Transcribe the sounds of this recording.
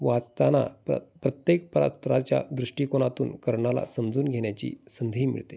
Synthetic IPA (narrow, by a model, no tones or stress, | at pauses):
ʋat͡st̪ana̰pɾət̪jek̚pəɾa̰st̪ɾat͡ɕja̰d̪ɾuʂʈikoñat̪ṵːnkəɾɳala̰səmd͡zuːnɡʱeɳjat͡ɕḭːsənd̪ʱiːmḭɭt̪e